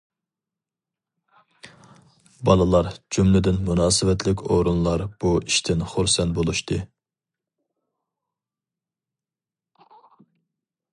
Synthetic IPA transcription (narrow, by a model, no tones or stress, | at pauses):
bɑlˠɨlˠɑɾd͡ʒumlɪd̪ɪnmunɑːsɨvɛt̪ʰlɪkʲʰoɾunlˠɑɾb̥uiʃt̪ʰɪnχuɾsɛnt̪bolˠuʃt̪ʰɨ